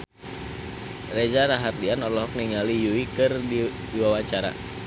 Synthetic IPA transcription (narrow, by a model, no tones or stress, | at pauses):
red͡ʒaɾaɦardianɔrlɔɦɔk̚niŋalijuikɨrdi | iwawaɲt͡ʃaɾa̰